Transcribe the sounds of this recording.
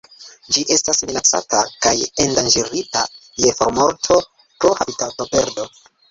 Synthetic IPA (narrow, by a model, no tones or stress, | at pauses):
d͡ʒiʔe̞stasminat͡sa̰takajendand͡ʒiɾita | je̞foɾmo̞ɾtʰo̞ | pɾohabitato̞pe̞ɾdo̞